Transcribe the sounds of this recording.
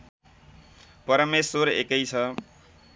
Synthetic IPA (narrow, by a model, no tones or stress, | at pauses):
pʌɾʌmeswoɾḛkʌjt͡sʰʌ